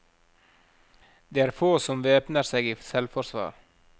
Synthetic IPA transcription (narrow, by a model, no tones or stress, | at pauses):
d̪eːæːɾfoːsɔmʋeːpnəɾseːɡiːsɛlfɔɾsʋɑ̰ːɾ